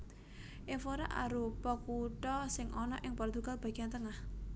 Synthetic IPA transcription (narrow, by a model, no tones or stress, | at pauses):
ʔefoɾa̰ʔa̰ɾupɔkuʈɔsɪŋʔɔnɔʔɪŋpɔrt̪uɡ̥alb̥a̤ɡ̥iant̪əŋah